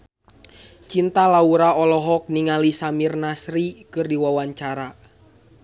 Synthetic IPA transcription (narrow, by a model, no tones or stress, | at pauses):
t͡ʃint̪alauɾaɔlɔɦɔk̚niŋalisamirnasɾikɨrdiwawaɲt͡ʃaɾa